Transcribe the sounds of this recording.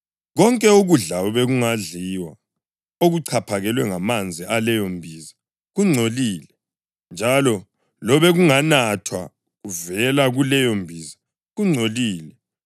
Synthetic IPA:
ɣɔŋkʼɛuɣuɮaβɛɣuŋaɮiwa̰ | oɣuǀʰapʰaɣɛlwɛŋamand͡zʱialɛjombʱiːza | ɣuŋ͡ǀʱoliːlɛ | nd͡ʒʱalɔ | lɔβɛɣuŋanatʰwa̰ | ɣuvɛlaɣulɛjombʱiza | ɣuŋ͡ǀʱoliːlɛ

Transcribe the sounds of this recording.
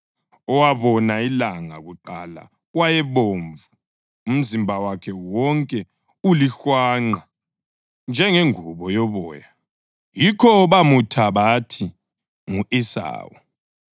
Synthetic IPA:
ɔwaβɔnailaŋa̰ɣuǃala̰ | wajɛβoːɱvuː | m̩zimbʱawakʰɛwɔŋkʼɛ | ulixwaːŋ͡ǃa | nd͡ʒʱɛŋeŋuβɔjɔβɔːja | jikʰɔβamutʰaβatʰi | ŋuʔisa̰ːwɔ

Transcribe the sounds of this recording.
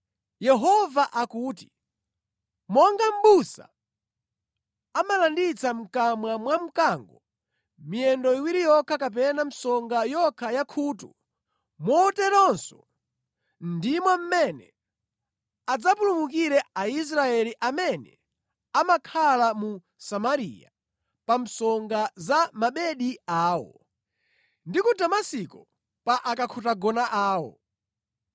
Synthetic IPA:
jɛɦɔvaʔakuːti̥ | mɔŋɡam̩ɓusa̰ | amalandit͡sam̩kamwamwam̩kaŋɡɔ | miɛndɔiwiɾijɔkʰakap̬ɛnam̩sɔŋɡajɔkʰajakʰutṵ | mɔtɛtɔnsɔ̥ | ndimwam̩mɛnɛ | ad͡zapulumukiɾɛais̬ɾaɛliʔamɛnɛ̰ | amakʰalamu | samaɾḭja | pam̩sɔŋɡazamaɓɛɗiaːwɔ̰ | ndikudamasikɔ | paʔakakʰutaɡɔnaʔaːwɔ̰

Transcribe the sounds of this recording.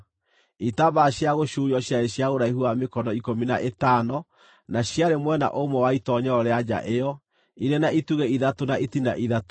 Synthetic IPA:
itaβaɕjaɣoɕujɔɕjaeɕjaɣoɾaiɦuamekɔnɔikominaʔetanɔ | naɕjaɾemwɛna̰ʔomɔwaitɔɲɛɔɾead͡ʑa̰ʔejɔ | iɾenaituɣɛiðatonaʔitina̰ʔiðat

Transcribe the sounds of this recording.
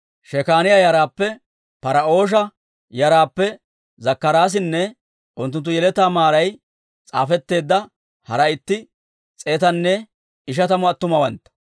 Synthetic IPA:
ʃɛkaːnɪjajɐɾaːpːɛ | pɐɾɐo̞ːʃ̬ɐ | jɐɾaːpːɛ | zɐkːɐɾaːs̬ɪnːɛ | ʔʊnt̪ːʊnt̪̬ːʊjɛlɛt̪aːmaːɾɐj | t͡sʼa̰ːfɛt̪ːe̞ːd̪ːɐ | hɐɾɐɪt̪ːɪ | t͡sʼeːt̪ɐnːɛ | ɪʃ̬ɐt̪ɐmɔɐt̪ːʊmɐwɐnt̪ːɐ̥

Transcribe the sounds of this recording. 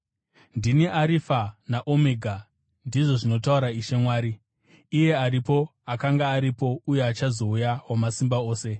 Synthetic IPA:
ndiniʔaɾifanaʔomeɡʱa | ndiʐo̞ʐino̞tauɾaiʃe̞mwaːɾiː | je̞aɾipo̞akaŋɡaːɾipo̞uje̞at͡ʃazo̞ujawamasimbao̞ːse̞

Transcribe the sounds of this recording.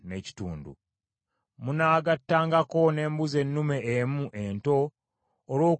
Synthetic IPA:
neci̥tuːndṵ | munaːɡatːaːŋɡako̞ne̞ːmbuze̞nːume̞ʔːmuʔento̞ː | lwo̞ː

